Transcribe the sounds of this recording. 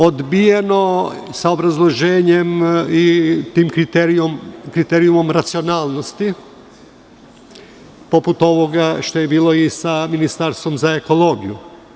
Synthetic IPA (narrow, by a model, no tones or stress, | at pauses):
od̪bijeno̞saobɾazlˠo̞ʒeːɲemit̪iːmkɾit̪eɾiomkɾit̪eːɾijumo̞mɾat̪sio̞naːlˠno̞st̪i | poput̪o̞ʋo̞ɡaʃt̪o̞jebiːlˠo̞isaminist̪aɾst̪ʋo̞mzaeko̞lˠo̞ːɡḭju